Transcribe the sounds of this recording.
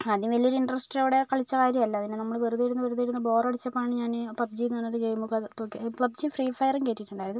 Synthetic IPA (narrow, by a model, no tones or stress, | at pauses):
ɐðinmʋɐlioɾiɳɖrɐsʈijoːɽe̞kɐɭit͡ɕːɐkaːɾjɐmɐlːɐɐðinenɐmːɐɭʋɐruðiɾunːɐʋɐɾuðiɾunːɐbo̞ːrɐɽit͡ɕːɐpːɐmaːɳɨɲaːnɨpɐb̚d͡ʑiːnːɳːoɾuɡe̞ːmukːɐt̪okːepɭɐb̚d͡ʑifriːfɐjɐrɐŋkeːʈːiʈːuɳɖaːjɾɐðɨm